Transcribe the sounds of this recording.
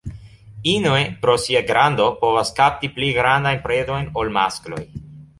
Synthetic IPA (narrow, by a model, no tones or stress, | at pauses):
inoepɾo̞siaɡɾando̞po̞vaskap̚tipliɡɾandajnpɾedo̞jno̞lma̰sklo̞̰j